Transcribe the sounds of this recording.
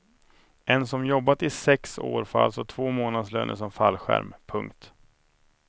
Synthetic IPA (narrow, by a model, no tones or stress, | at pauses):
ʔɛnsɔmjɔbːat̪ɪsɛkso̰ːɾfa̰lsɔt̪ʰv̥oːmoːnad̪slø̰ːnə̰ʂɔmfalːɧæ̰ɾmpʰɵŋkt̪